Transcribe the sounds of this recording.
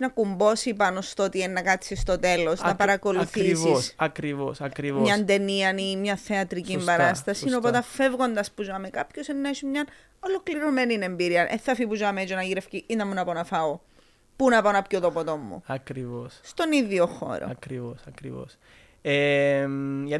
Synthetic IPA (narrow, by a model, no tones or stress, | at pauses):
nɐkumbo̞sipɐnost̪oot̪ienːɐkɐt̪sist̪ot̪e̞losnnɐpɐɾɐko̞luθisissɐkɾivosɐkɾivmɲɐnnd̪eniɐnimɲɐθeɐt̪ɾicimbɐɾɐst̪ɐsinopot̪ɐfevɣo̞nd̪ɐspuzoɐmekɐpçosenːɐesumɲɐn | olo̞kliɾomeninembiɾiɐnʔeθːɐfipuzoɐmet͡ʃonɐʝiɾefciʔinɐmːunɐponɐfɐo | punɐpɐonɐpcot̪opot̪omːṵɐkɾivosst̪o̞niðioxo̰ɾo̰ɐkɾivosɐkɾivo̰s | emʝɐt̪